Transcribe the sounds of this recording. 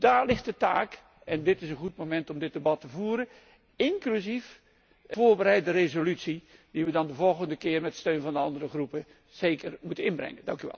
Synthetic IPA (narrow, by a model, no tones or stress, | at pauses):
daːɹlɪχt̚dəta̰ːk | ɛndɪtɪsənχut̚momɛntɔmdɪt̚dəbɑtəvuːɾə | ɪŋklyzif | voːɹbəɾɛjt̚dərezolytsidiʋədɑndəvɔlˠɣəndəkɪːrmɛtə̥støːnvɑndəɑndərəχrupə | z̥eːkərmutəɪnbrɛ̰ŋədɑŋkyʋɛ̰lˠ